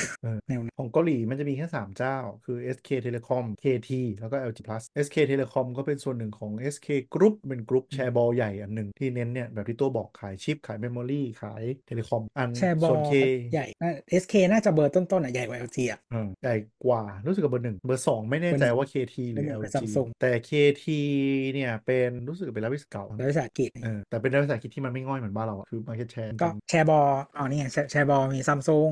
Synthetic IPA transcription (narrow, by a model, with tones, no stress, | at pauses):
ʔɤː˧nɛ˧ɔː˩˦ŋka˧liː˨˩˦ma˧nt͡ɕa˨˩miː˧kʰɛː˥˩saː˩˦mt͡ɕaː˥˩wkʰɯː˧ʔe˦˥skʰeː˧t̪ʰe˧leː˧kʰɔ˧mkʰeː˧t̪ʰiː˧lɛː˦˥wkɔː˥˩ʔɛː˧wt͡ɕiː˧pʰla˦˥sʔe˦˥skʰeː˧t̪ʰe˧leː˧kʰɔ˧mkɔː˥˩pe˧nsu˨˩ənːɯ˨˩ŋkʰɔː˩˦ŋʔeː˦˥skʰeː˧kɾu˦˥p̚pe˧nkɾu˦˥p̚t͡ɕʰɛː˧bɔː˧ja˨˩jʔa˨˩nːɯ˨˩ŋt̪ʰiː˥˩ne˦˥nːi˥˩ɐbɛ˨˩t̪ʰiː˥˩t̪u˧˩ɐbɔː˨˩kʰːaː˩˦jt͡ɕʰi˦˥p̚kʰaː˨˩˦jme˧˥mɔː˧liː˥˩kʰa̰ː˩˦jt̪ʰe˧leː˧kʰɔ˧mʔa˧nt͡ɕʰɛː˧sbɔː˨˩˧kʰeː˧ja˨˩jnaː˥˩ʔe˦˥skʰeː˧naː˥˩t͡ɕa˨˩bɤː˧t̪o˥˩nt̪o˥˩nʔa˨˩ja˨˩jwa˧˦ʔa˧t̪ʰiː˧a˨˩ʔɤː˧ja˨˩jkwaː˨˩ɾuː˦˥sɯ˨˩k̚wa˧bɤː˧nɯ˨˩ŋbɤː˧sɔː˩˦ŋma˥˩jnɛː˥˧˩t͡ɕa˧jwaː˥˩kʰeː˧t̪ʰiː˧lu˨˧˨ɛː˦˧sa˧i˧su˧ŋt̪ɛː˨˩kʰeː˧t̪ʰiː˧ni˥˩ɐpe˧nɾuː˦˥sk̚ːpe˧laː˦˥wi˦˥ska˨˩wla˦˥we˧˩saː˨˩˦ki˨˩t̪̚ʔɤː˧t̪ɛː˨˩pe˧nlwe˧saː˨˦ki˨˩t̪ʰiː˥ma˧ma˥˩jŋɔ˥˩jmɯ˩˦ə˦baː˥˩nɾa˧wa˨kʰɯː˧ma˦˥˩k̚t͡ɕa˨˩t͡ɕʰɛː˧kɔː˥˩˧nt͡ɕʰɛː˧bɔː˧ʔa˧˩niː˥˩˨a˨t͡ɕʰɛ˧t͡ɕʰɛː˧bɔː˧miː˧sa˧˩msu˧ŋ